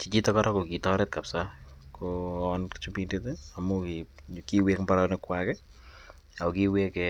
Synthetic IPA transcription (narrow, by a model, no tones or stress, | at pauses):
t͡ʃit͡ʃitɔkɔɾɔkokitɔɾɛt̚kapsakoɔnkt͡ʃupindeteamoki | kiwekmbaɾanɛkwakɛ | aokiwekɛ